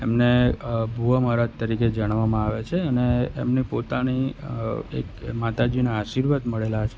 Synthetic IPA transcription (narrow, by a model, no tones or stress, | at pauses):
emnebʱuəməɾat̪t̪ːəɾiked͡ʒaɽ̃ʋamãaʋet͡ʃʰeənḛːmnepot̪ani | ḛkmat̪ad͡ʒinaːʃiɾʋat̪məɭelat͡ʃʰe̥